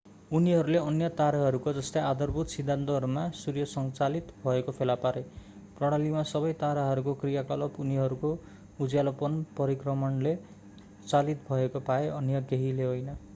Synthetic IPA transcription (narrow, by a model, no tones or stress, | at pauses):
uniɦʌɾuleʌnjʌt̪aɾaɦʌɾukod͡zʌst̪ead̪ʌrbʱut̪sid̪ʱːant̪oɦʌɾumasurjʌsʌŋt͡salit̪bʱʌekopʰelapaɾe | prʌɽ̃alimasʌbʌjt̪aɾaɦʌɾukokrijakʌlʌpuniɦʌɾuko | ud͡zjalʌpʌnpʌɾikrʌmʌnle | t͡salit̪bʱʌekopaeʔʌnjʌɡeɦileɦojnʌ